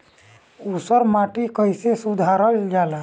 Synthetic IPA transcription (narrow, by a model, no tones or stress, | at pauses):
usəɾmaːʈikəjsesud̪ʱaːɾəld͡ʒaːla